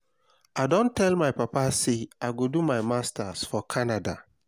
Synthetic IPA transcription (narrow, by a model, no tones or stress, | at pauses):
aɪdõntʰːɛlmaɪpapaseaɪɡodumaɪmastʰasfɔkʰanada̰